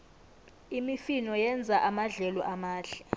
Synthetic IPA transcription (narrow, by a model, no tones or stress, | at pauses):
imifinɔjɛnd͡zʱaʔamaɮɛlɔʔamaːɮɛ